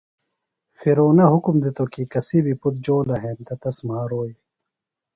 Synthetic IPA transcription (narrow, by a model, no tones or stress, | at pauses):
fiɾoːnɐɦukumd̪it̪okikɐsibiput̪̚d͡ʑoːlɐɦeːnt̪ɐt̪ɐsmaːɾoːj